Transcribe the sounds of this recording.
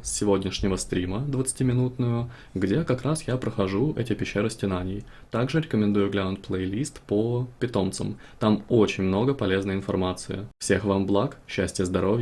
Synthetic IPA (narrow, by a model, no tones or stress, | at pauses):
sːʲɪvʲo̞dʲnʲɪʂnʲɪvəst̪ɾʲiməd̪vət̪sɨ̥tʲimʲɪnut̪nʊjʊ | ɡdʲe̞kɐkɾasjapɾəxɐʐuʔɛ̰tʲɪpʲɪɕːeɾəsʲtʲɪnanʲɪj | t̪aɡʐɨɾʲɪkəmʲɪnd̪ujʊɡlʲaʊnt̪̚plˠejlʲist̪pəpʲɪt̪o̞mt̪sə̰m | t̪amo̞t͡ɕɪnʲmno̞ɡəpɐlʲe̞znəjɪnfɐrmat̪sɨɪ̰fsʲe̞xvamblˠakɕːæsʲtʲɪjəzd̪ɐɾo̞vʲjə